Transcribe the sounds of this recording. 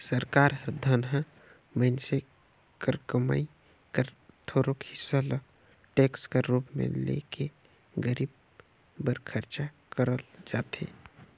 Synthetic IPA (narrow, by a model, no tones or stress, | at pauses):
səɾkaːɾɦəɾd̪ʱanɦã | mənse | kəɾkəma̰i | kəɾt̪ʰoːɾokhɪsːalə | ʈeːkskeɾuːpmḛ̃lḛːkʰe | ɡəɾiːb̚ | bəɾkʰəɾt͡ʃa | kəɾəld͡ʒaːt̪ḛ